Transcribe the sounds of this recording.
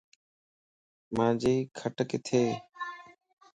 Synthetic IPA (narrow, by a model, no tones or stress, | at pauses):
mãːd͡ʒeːkʰəʈəkɪt̪ʰeː